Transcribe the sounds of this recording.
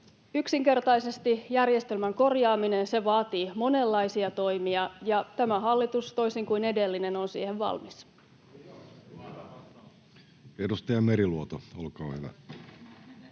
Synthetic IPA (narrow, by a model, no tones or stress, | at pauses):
yksiŋke̞rt̪ɑjse̞st̪ijærje̞st̪e̞lmæŋko̞rjɑːmine̞nse̞ʋɑːt̪iːmo̞ne̞lːɑjsiɑt̪o̞jmiɑjɑt̪æmæɦɑlːit̪ust̪o̞isiŋkuine̞de̞lːine̞no̞nsḭːheʋʋɑ̰lmis | edust̪ɑjɑmeɾiluot̪oolkɑːhyʋæ̰